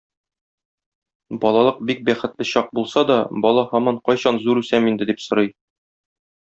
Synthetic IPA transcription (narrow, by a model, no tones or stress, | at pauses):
bɒlˠɑlˠɤq̚bik̚bæχɘ̆t̪lɘɕɒq̚bulˠsɑd̪ɒbɒlˠɑhɒmɑɴqɒjɕɑnzuɾʉsæmind̪ɘ̆d̪ipsŏɾɤj